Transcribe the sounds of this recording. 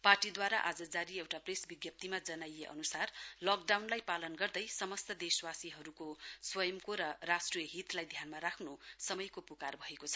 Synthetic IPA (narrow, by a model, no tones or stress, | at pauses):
parʈid̪waɾaʔad͡zʌd͡zaɾiewʈapresbiɡjʌp̚t̪imad͡zʌnajeʔʌ̰nusarlʌkɖawnlajpalʌnɡʌrd̪ʌjsʌmʌst̪ʌd̪eswasiɦʌɾukoswʌjʌmkoɾʌrasʈrijʌɦit̪lajd̪ʱjanmaɾakʰnosʌmʌjkopukarbʱʌekot͡sʰʌ